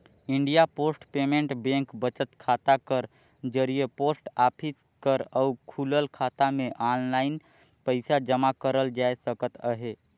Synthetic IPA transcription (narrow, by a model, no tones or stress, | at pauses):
iɳɖijaposʈpemẽɳʈbẽŋkbət͡ʃət̪kʰat̪akəɾ | d͡ʒəɾijeposʈapʰis | kəɾəukʰuləlkʰat̪ameʔanlaɪn | pəɪsad͡ʒəmakəɾəld͡ʒaesəkət̪əɦe